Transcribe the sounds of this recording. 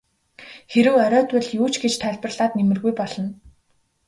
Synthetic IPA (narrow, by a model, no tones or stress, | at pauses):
xeɾɘ̆wœɾʲɔːt̪wʊ̆ɮjuːt͡ɕɡet͡ɕt̪ʰæɮʲpə̆rɮaːt̪nemɘ̆rɣujpɔɮ̥ɞ̆n